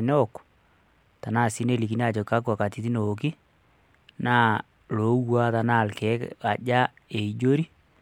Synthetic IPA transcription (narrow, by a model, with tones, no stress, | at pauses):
n˦ɔ˦˨k | ta˨na˦˨si˦ne˦˨li˨ki˨n˦a˦˨t͡ʃɔ˨ka˦ku˦a˨ka˨ti˨ti˦no˨k̬i˦ | na˦˨ | lo˨˦wa˦ta˨na˦˨lkɛ˨˦a˨d͡ʒa˦ | e˨i˨d͡ʒo˦ɾi˦